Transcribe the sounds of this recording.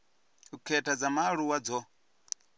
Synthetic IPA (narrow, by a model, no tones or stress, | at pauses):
ukʰɛtʰad͡zamaɺuwad͡zɔ